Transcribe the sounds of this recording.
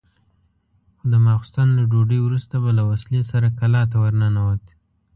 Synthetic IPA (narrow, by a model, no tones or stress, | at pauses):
xod̪əmɑxʊ̥st̪ɑnlaɖoɖəjwɾust̪abalawaslesaɾakalɑt̪awaɾnanawət̪